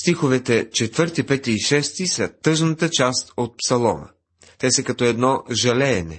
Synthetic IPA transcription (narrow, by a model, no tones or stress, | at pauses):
st̪ixovɛt̪ɛt͡ʃɛt̪vɤɾt̪ipɛt̪iːʃɛst̪isɐt̪ɤʒnət̪ət͡ʃast̪ot̪̚psɐlˠɔ̰nə̰ | t̪ɛsɐkɐt̪ɔɛd̪nɔʒɐlɛːnɛ̰